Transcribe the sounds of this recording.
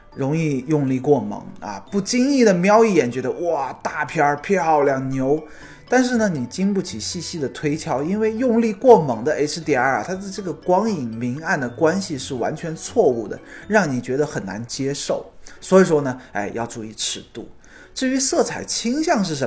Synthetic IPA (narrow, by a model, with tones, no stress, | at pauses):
ɻʊ˧˥ŋi˥˧jʊ˥˧ŋli˥˧kwɔ˥˩mɤ̰˧˥ŋɐ̰˧pu˥˩t͡ɕi˥ŋi˥˩d̪ə˩mjɑ˥ʊi˥˩jɛ˨˩nt͡ɕɥɛ˧˥d̪ə˧wɔ˥˩t̪a˥˩pʰjɑ˥pʰɛ˥˩xɑ˥˩ʊljɑ˨˩ŋnjo˧˥ʊ | t̪a˥˧nʂ̬ɻ̩˥˩nə˩ni˨˩t͡ɕi˥ŋpu˥˩t͡ɕʰi˨˩ɕi˥˧ɕi˥d̪ə˨˩t̪ʰwe˥ɪt͡ɕʰjɑ˥ʊi˥nwe˥˧ɪjʊ˥˧ŋli˥˧kwɔ˥˩mɤ˧˥ŋd̪ə˧e˥ɪʈ͡ʂ̩ʰ˥t̪jɛ˨˩a˞˥˩t̪ʰa˥t͡sa˥˧ɪʈ͡ʂɤ˥˩ɡə˩kwɑ˥ŋi˨˩ŋmi˧˥ŋa˥˩nd̪ə˩kwa˥nɕi˨ʂɻ̩˥˩wa̰˧˥nt͡ɕʰɥɛ˧˥nt͡sʰwɔ˥˧u˥˩d̪ə̰˩ɻɑ˥˩ŋni˨˩t͡ɕɥɛ˧˥d̪ə˧xə˨˩na̰˧˥nt͡ɕjɛ˥ʂo˥˩ʊswɔ˧˥i˨˩ʂwɔ˥nə˨ḛ˥˩ɪjʔɑ˥˧ʊʈ͡ʂu˥˧i˥˩ʈ͡ʂʰɻ̩˨˧˩t̪ṵ˥˩ | ʈ͡ʂɻ̩˥˩y˧˥sɤ˥˩t͡sʰa˨˩ɪt͡ɕʰi˥ŋɕjɑ˥˧ŋʂ̬ɻ̩˥˩ʂə˧˦